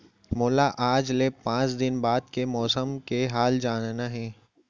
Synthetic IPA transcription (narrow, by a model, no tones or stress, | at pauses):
mʊːlaʔaːd͡ʒlepãːt͡ʃd̪ɪnbaːd̪̚kemɔːsəmkeɦaːld͡ʒaːnnaɦɛ̃ː